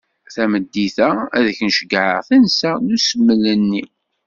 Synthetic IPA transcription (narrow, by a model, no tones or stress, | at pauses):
θæməd̪ːiθææðəçnəʃəɡʕə̰ʁθænsænusəmːələnːi